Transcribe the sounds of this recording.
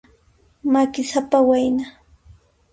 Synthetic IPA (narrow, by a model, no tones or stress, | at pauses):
makɪsapawajna